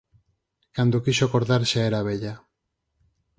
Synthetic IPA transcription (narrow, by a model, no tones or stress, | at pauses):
kand̪ukiʃokoɾðaɾsaeɾaβeʎa